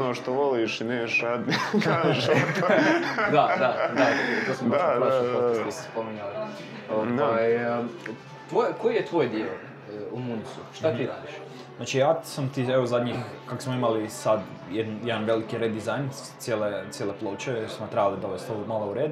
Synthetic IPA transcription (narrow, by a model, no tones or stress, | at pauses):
noːʃt̪oʋoliʃineːʃɾad̪nikaʃ | d̪ad̪ad̪aooosmod̪aaostkise̥spomiɲali | oaj | t̪ʋojkojijet̪ʋojd̪io | umunisuʃt̪at̪iɾa̰ːd̪iʃ | znaːt͡ʃijaːsamt̪ieʋozad̪ɲixkaksmoimalisad̪ | jed̪njed̪anʋe̞likiɾed̪izajn | t̪sjelet̪sjeleplˠoːt͡ʃeeɾsumat̪ɾebalid̪o̞ʋest̪omalˠouɾeːd̪